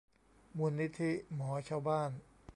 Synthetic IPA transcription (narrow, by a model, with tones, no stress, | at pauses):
mu˧nːi˦˥t̪ʰi˦˥mɔː˩˦t͡ɕʰaː˥˧wbaː˥˩n